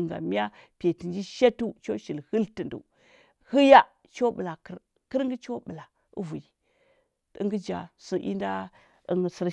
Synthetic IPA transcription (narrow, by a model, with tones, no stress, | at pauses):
ŋɡa̰˨mi˦a˦ | pe˨ti˨nd͡ʒi˦ʃa˦tu˦t͡ʃo˦ʃi˨lhə˦ltə˨ndṵ˨ | hɨ˦ja˦ | t͡ʃo˦bə˨la˨kə˦ɾ | kə˦ɾŋɡə˦t͡ʃo˦ɓə˨la˨ | ṵ˦vu˨ji˨ | ḭ˦ŋɡə˦d͡ʒa̰˨su˦ʔḭ˦nda˦ | ḭ˦ŋ˨si˦ɾ